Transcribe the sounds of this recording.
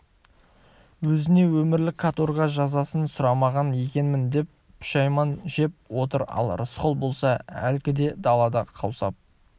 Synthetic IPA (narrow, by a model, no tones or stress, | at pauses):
wɵzɪne̞wɵmɪɾlɪkʰːat̪orʁɑʒɑzɑsənsʊɾɑmɑʁɑnje̞kʲe̞nmɪnd̪e̞pːʃɑjmɑnʒe̞p̚wo̞t̪əɾɑ̰lˠrəsqo̞lˠbo̞lˠsɑæ̰lkʲɪd̪e̞d̪ɑlˠɑd̪ɑqʰɑwsɑ̰p̚